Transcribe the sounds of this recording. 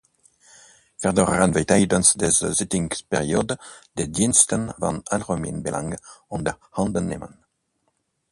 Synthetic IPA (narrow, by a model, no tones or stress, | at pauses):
fɛʁdɔʁəʁənvɛtaɪdənsdɛzəzɪtɪŋspɛʁioːdd̥edinstənva̰nalʁomḭnbelʔa̰ŋɔnd̪ə | hɑ̃ndənːḛːmən